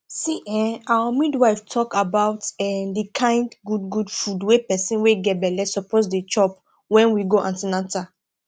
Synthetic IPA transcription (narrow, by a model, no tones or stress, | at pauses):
siʔɛ̃awamidwaɪftʰɔkabaʊtɛmdikʰãɪ̃ndɡud̚ɡudfudwepɛsĩnweɡɛbɛlɛsɔposdet͡ʃɔp | wɛ̃nwiɡoʔãntinãta